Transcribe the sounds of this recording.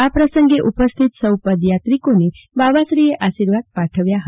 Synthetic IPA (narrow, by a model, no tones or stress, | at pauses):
apɾəsəŋɡeʔupəst̪ʰit̪səwpəd̪jat̪ɾikone | baʋasɾieʔaʃiɾʋad̪̚paʈʰəʋjaɦə